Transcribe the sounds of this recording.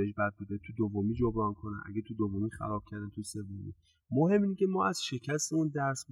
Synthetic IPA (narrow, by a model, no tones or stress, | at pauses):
eʃbæd̪̚bud̪et̪ʰud̪ovːomiːd͡ʒobɾɒnkʰonæ̰nʔæ̰ɡʲet̪ʰud̪ovomiːxæ̰ɾɒːb̥̚cʰæɾd̪ænt̪ʰuse̞vːomḭ | mohe̞mːiːncʰʲe̞mɒːæz̥ʃe̞cʰæst̪eund̪æɾs